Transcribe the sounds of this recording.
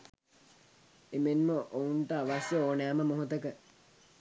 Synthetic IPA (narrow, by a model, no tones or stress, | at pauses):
emenməʔounʈəaʋasjəoːnæːməmoɦut̪əkə